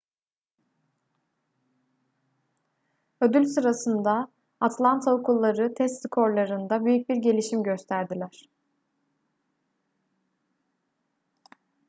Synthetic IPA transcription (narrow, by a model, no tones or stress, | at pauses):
ø̞d̪ylʲsɯɾasɯnd̪aː | t̪ʰlˠant̪ʰaokʰulˠːaɾɯt̪ʰɛst̪sɯkʰo̞ɾlˠaɾɯnd̪abyjyc̚biɾɟe̞lʲiʃimɟøst̪ʰæɾd̪ilʲæɾ̥